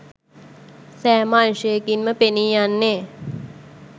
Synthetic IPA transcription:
sæːmaːnʃəjekinməpeniːjanːe

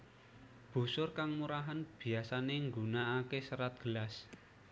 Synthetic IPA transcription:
b̥ṳsʊrkaŋmuɾaɦanb̥i̤asaneŋɡunaːkesəɾat̪̚ɡ̥əlas

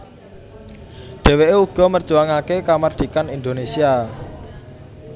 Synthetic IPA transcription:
ɖ̪̥ɛ̤weʔeuɡ̥ɔ̤mərdʒ̥uaŋakekamard̪̥i̤kanind̪onesia

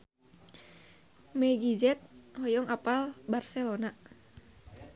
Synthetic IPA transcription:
mɛɡid͡ʒɛt̪̚hɔjɔŋapalbarsɛlona

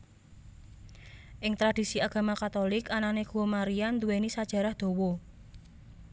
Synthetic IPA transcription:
ʔɪŋt̪ɾad̪̥i̤siaɡ̥a̤makat̪olɪkananeɡ̥uomaɾiand̪uwenisad̥ʒ̥a̤ɾahd̪̥o̤wɔ

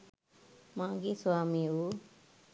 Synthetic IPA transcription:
mãːɡeswaːmiu

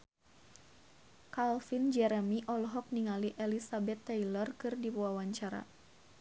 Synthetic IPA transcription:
kalfind͡ʒɛɾɛmiʔɔlɔɦɔk̚niŋaliʔɛlisabɛt̪ːɛilərkɨrdipuawaɲt͡ʃaɾa̰

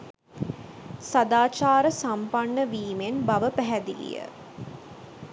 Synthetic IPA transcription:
sad̪aːt͡ʃaːɾəsampaɳːəʋiːmenbaʋəpæɦæd̪ilḭjə̰

